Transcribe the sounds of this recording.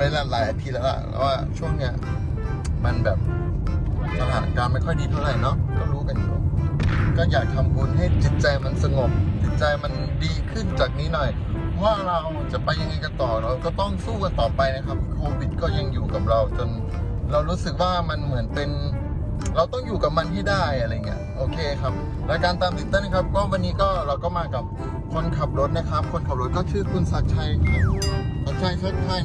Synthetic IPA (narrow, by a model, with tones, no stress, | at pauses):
wa˧la˧laː˨˦jʔa˧t̪ʰi˧lɛː˦˥˩wla̰˨˩pɛ̰˧˩waː˥˩t͡ɕʰu˥˩əŋni˦˥ɐ | ma˧nbɛː˨˩p̚ | t̪ʰa˧laː˨˩t̪ʔa˧˨˧ŋkaː˧nma˥˩jkʰɔ˥˩jdiː˧t̪ʰa˥˩ɾa˧˩jnɔ˦˥ɾa˧˩ɾuː˦˥ka˧njuː˨˩ | kɔː˥˩jaː˨˩k̚ʰːa˧mkʰu˧nɦa˥˩jt͡ɕi˨˩t̪̚t͡ɕa˧jma˧nsa˧ŋo˨˩p̚t͡ɕi˨˩t̪̚t͡ɕa˧jma˧ndiː˧kʰɯ˥˩nt͡ɕaː˨˩k̚niː˦˥nɔ˨˩j | waː˥˩ɾa˧w | t͡ɕa˨˩ʔpa˧jːa˧ŋːa˧jka˧t̪ɔː˨˩pɾa˧wkɔː˥˩t̪ɔ˥˩ŋsuː˥˩ka˧nt̪ɔː˨˩pa˧jna˦˥kʰa˦˥p̪̚ʰi˥˩kʰoː˧wi˨˩t̪̚kɔː˥˩ja˧˩ŋjuː˨˩ka˨˩p̚ɾa˧wt͡ɕo˧n | ɾa˧wɾuː˦˥sɯ˨˩k̚waː˥˩ma˧nmɯ˩˦ənpe˧n | ɾa˧wt̪ɔ˥˩ŋjuː˨˩ka˨˩p̚ma˧nt̪ʰiː˥˩daː˥˩jʔa˧ɾa˧jŋːi˦˥ɐʔoː˧kʰeː˧kʰa˦˥p̚ | lɛː˦˥wkaː˧nt̪aː˧mt̪i˨˩nt̪aː˥˩na˥kʰa˦˥p̚kwɔː˦˥˨wa˧nːiː˦˥kɔː˥˩ɾa˧wkɔː˥˩maː˧ka˨˩p̚ | kʰo˧nkʰa˨˩p̚ɾo˦˥t̪̚na˦˥kʰa˦˥p̚kʰo˧nkʰa˨˩p̚ɾo˦˥t̪̚kɔː˥˩t͡ɕʰɯː˧˩kʰu˧nsa˨˩t̪̚t͡ɕʰa˦˥jʰa˧˥˩sa˧˩t͡ɕʰa˥˩jt͡ɕʰa˦˥t̪̚t͡ɕʰa˧˥˩j